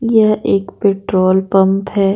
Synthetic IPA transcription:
jɐʔeːkpeːʈɾoːlpɐ̃mpɦɛː

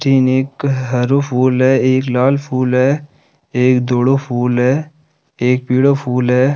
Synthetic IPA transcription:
ʈʰiːneːkɦəɾopʰuːlɦɛːeːklaːlpʰuːlɦɛː | eːkd̪oːɽopʰuːlɦɛː | eːk̚piːɽopʰuːlɦɛː

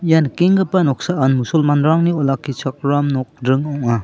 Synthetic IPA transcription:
jankeŋɡɯpanɔk̚saanmusulmanɾaŋniɔlakʰːit͡ʃʰak̚ɾamnɔk̚dɾɯŋɔŋa

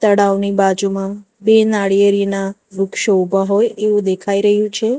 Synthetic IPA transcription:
t̪əɽaʋnibad͡ʒumã | benaɽijəɾinaɾʊkʃoubʱaɦojeʋũd̪ekʰaiɾəɦjũt͡ʃʰe

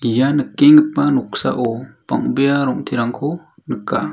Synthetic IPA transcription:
ijanɯkːeŋɯpanɔk̚sa̰ʔɔpa̰ŋbijaɾɔŋtʰiɾaŋkʰɔnɯkːa

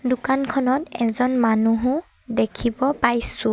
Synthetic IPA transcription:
dʊkankʰɔnɔtɛzɔnmanuɦʊ̃ | dekʰibɔpajsʊ

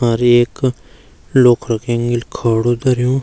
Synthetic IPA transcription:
aɾeːk | loːkʰɾɐkʰẽːŋɡelkʰaːɽod̪əɾijõː

